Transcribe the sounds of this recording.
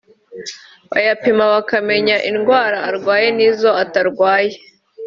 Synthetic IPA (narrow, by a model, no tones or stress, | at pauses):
βa̰japimaβakame̞ɲaʔinɡwaːɾaːɾɡwaːje̞niːzo̞ataɾɡwaːje